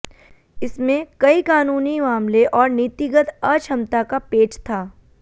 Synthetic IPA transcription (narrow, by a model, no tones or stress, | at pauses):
ɪsmẽkɐikaːnuːnimaːmleʔɔːɾniːt̪ɪɡət̪ɐt͡ʃʰɐmt̪akapeːʈt̪ʰaː